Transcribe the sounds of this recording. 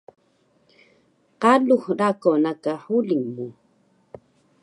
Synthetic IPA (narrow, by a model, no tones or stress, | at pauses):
qaluhɾakonakahuliŋmu